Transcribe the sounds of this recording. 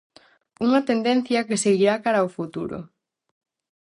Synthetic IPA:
uŋɐt̪end̪en̟θjɐkeseɣiɾakaɾaofut̪uɾo̰

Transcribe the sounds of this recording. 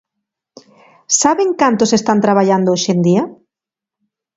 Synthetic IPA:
saβeŋkant̪osest̪ant̪ɾaβaʎand̪ooʃend̪ia

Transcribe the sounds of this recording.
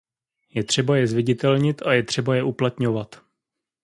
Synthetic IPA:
jɛt̪r̝̥ɛbajɛzvɪɟɪt̪ɛlɲɪt̪ʔajɛt̪r̝̥ɛbajɛʔuplat̪ɲo̞vat̪

